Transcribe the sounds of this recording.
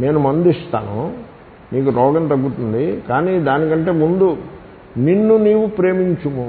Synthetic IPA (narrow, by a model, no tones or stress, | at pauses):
me̞ːnumɐnd̪ist̪a̰ːnṵ | miːk̬uɾɔːɡɐnt̪ɐɡːut̪und̪ikaːniːd̪aːnikɐɳʈe̞ːmund̪u | ninːuniːʋupɾe̞ːmiɲt͡ʃumu